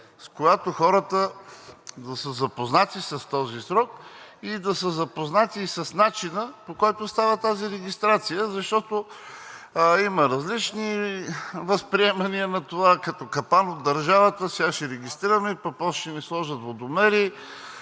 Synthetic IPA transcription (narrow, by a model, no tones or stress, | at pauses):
skoɡat̪oxɔɾət̪ə | d̪ɐsəzɐpoznat̪isɐst̪ɔzisɾɔkid̪ɐsəzɐpoznat̪isɐsnat͡ʃinəpokɔjt̪ost̪avət̪aziɾɛɡist̪ɾat̪sijəzɐʃt̪ɔt̪o | iməɾɐzlit͡ʃni | vɐspɾiɛmɐniənɐt̪ovakɐt̪ɔkɐpanod̪ːɐɾʒavət̪əsɛɡaʃɛɾɛɡist̪ɾiɾəmɛpɐk̚pɔsʃɛnɛslˠɔʒət̪vod̪omɛɾi